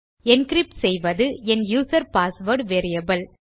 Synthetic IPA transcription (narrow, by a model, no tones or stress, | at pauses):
ɛnkɾɪp̚ʈsɛjʋɐðɯɛnjuːsɐɾpaːsʋɐɾɖʋeːɾɪjɐbɐl